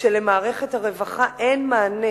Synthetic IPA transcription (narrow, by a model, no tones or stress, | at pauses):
ʃele̞maːʁe̞χe̞thaʁe̞vaχaʔe̞nmaːne